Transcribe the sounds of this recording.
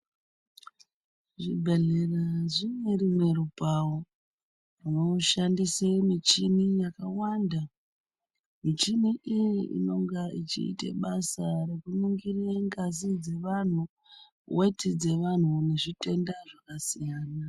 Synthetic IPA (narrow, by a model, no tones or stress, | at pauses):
ʐibʱe̞ɮe̞raʐimwe̞rimwe̞ɾubʱawo | rino̞ʃandisemit͡ʃinijakawanda | mit͡ʃimiʔijiʔḭno̞ŋɡait͡ʃḭːtḛɓasaɾe̞kunuŋɡirieŋɡazid͡ze̞ʋan̤u | we̞tʰid͡ze̞ʋan̤une̞ʐite̞ndaʐakasijaːna